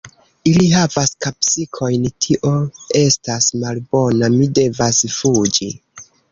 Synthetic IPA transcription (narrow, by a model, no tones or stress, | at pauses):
iliɦavaskapsikʰo̞jntʰiʔo̞e̞stasmalbo̞namide̞vasfud͡ʒi